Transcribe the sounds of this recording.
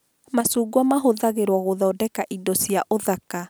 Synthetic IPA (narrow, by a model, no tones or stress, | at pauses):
masuːɡwamaɦoðaɣeɾwɔɣoðɔːdɛkaʔidɔsiaʔoðaka